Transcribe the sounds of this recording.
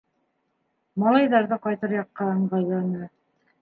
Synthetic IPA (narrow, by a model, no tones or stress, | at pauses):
mɑlˠɑjðɑɾðɤqɑjt̪ɤɾjɑqːɑɤ̆ɴɢɑjlˠɑnɤ